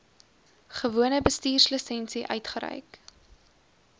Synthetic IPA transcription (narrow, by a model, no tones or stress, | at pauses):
χəvuənəbəstiːrsləsɛnsiʔœ̰ɥtχəɾə̰jk